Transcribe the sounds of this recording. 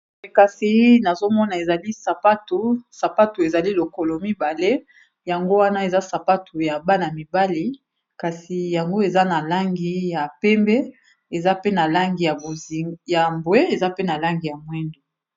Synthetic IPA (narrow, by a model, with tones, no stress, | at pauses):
e˨ka˨si˨˦na˨zo˦mɔ˦na˨e˨za˨li˦sa˨pa˦tu˨sa˨pa˦tu˨e˨za˨li˦lo˨ko˨lo˨mi˦ba˨le˦ | ja˨ŋɡo˦wa˦na˦e˨za˦sa˨pa˦tʰu˨ja˨ba˦na˨mi˨ba˦li˦ | ka˨si˨ja˨ŋɡo˦e˨za˦na˨la˦ŋɡi˦ja˨pɛ˦mbɛ˦ | e˨za˦pe˦na˨la˦ŋɡi˨ja˨o˨ja˨mbwe˦e˨za˦pe˦na˨la˦ŋɡi˨ja˨mwɛ˦ndo˨